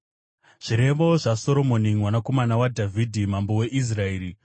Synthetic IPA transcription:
ʐ̥iɾe̞ʋo̞ʐaso̞ɾo̞mo̞nimwanako̞manawadʱavʱidʱimambo̞we̞ʔis̬raeːɾi

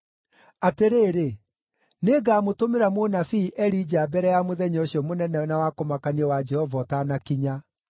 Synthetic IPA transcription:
ateɾeːɾe | neːɡaːmotomeɾamonafiːʔɛɾid͡ʑabɛɾɛjamoðɛɲɔɕiɔmonɛnɛnawakomakaniɛwad͡ʒɛhɔvɔtanakiɲa

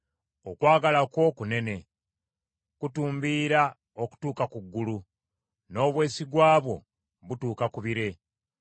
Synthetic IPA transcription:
okwaːɡalakwo̞kune̞ne̞ | kutuːmbiːɾa | o̞ku̥tuːkakuɡːulu | no̞ːβwe̞ːsiɡwaːβwo̞̰ | βutuːkakuβiɾe̞

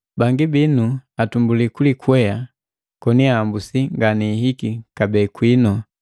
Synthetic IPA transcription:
baŋɡibinuatumbulikulikuɛa | kɔniaːmbusiŋɡaniɦikikabɛːkwinɔ

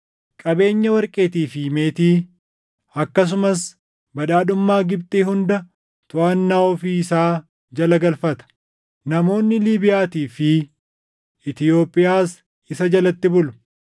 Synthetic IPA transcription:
kʼɐbe̞ːɲːɐwɐɾkʼe̞ːt̪iːfiːme̞ːt̪iː | ɐkːɐs̬ʊmɐs | bɐᶑaːɗʊmːaːɡɪb̚t̪ʼeːhʊnd̪ɐ | t̪ʊʔɐnːaːɔfiːɪsaː | d͡ʒɐlɐɡɐlfɐt̪ɐ̥ | nɐmo̞ːnːɪliːbɪjaːt̪iːfɪ | ɪt̪ɪjo̞ːpʼɪjaːs | ɪsɐd͡ʒɐlɐt̪ːɪbʊlʊ̥

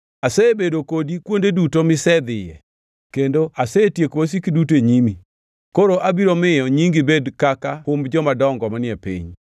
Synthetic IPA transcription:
asɛebedokodikwondedutomɪsɛd̪ɪjɛ̰ | kendoʔasetjekwos̬ikidut̬eɲimi | koɾoʔabiɾomɪjɔɲiŋɡibedkakahʊmbd͡ʒɔmadɔŋɡɔmanɪɛpḭɲ

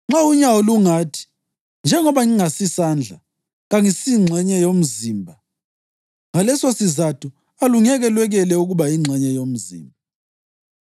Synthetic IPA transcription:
ŋ͡ǁauɲawɔluŋatʰi̥ | nd͡ʒʱɛŋɔβaŋiŋasisand͡ɮʱa̰ | ɣaŋisiŋ͡ǀʱɛɲɛjom̩ziːmbʱa | ŋalɛsosizatʰu | aluŋɛɣɛlwɛɣɛlɛuɣuβaiŋ͡ǁʱɛɲɛjom̩zḭːmbʱa

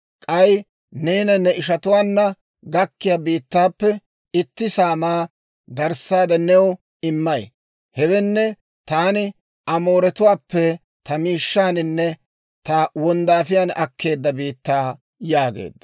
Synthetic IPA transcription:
kʼɐj | neːnɐnɛʔɪʃɐt̪ʊwaːnːɐ | ɡɐkːɪjaːbiːt̪ːaːpːɛ | ɪt̪ːɪsaːmaː | d̪ɐɾsaːd̪ɛnɛw | ɪmːɐj | hɛwɛnːɛ | t̪aːnɪ | ʔɐmo̞ːɾɛt̪ʊwaːpːɛ | t̪ɐmiːʃːaːnɪnːɛ | t̪ɐwɔnd̪aːfɪjaːnɐkʰːe̞ːd̪ːɐbiːt̪ːaː | jaːɡḛːd̪ːɐ̥

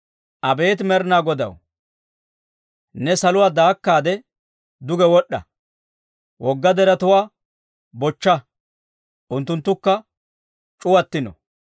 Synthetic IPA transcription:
ʔɐbe̞ːt̪mɛɾnaːɡɔd̪ɐ̰w | nɛsɐlʊwaːd̪aːkːaːd̪ɛ | d̪ʊɡɛwɔɗːɐ̰ | wʔɔɡːɐd̪ɛɾɐt̪ʊwaː | bɔt͡ʃːɐ | ʔʊnt̪ːʊnt̪ːʊkːɐ | t͡ʃʼʊwɐt̪ːɪnɔ̰

